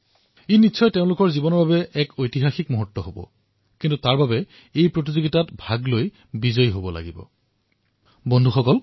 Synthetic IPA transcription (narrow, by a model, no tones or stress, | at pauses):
ejnitːʃʰɔjteʊ̃lʊkɔɹzibɔnɔɹbabɛʔɛkʰojtiɦaxikmoɦɔtːɔɦobɔ̰ | kintutaɹbabɛ | ejpɹot̬izoɡitatbʱaɡloj | bizɔjɦobɔla̰ɡibɔ̰ | bɔndʱuxɔkɔl